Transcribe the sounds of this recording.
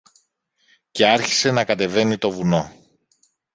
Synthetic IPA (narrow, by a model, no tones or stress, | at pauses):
ce̞ɐɾçi̥se̞nɐkɐt̪e̞ve̞nit̪o̞vuno̞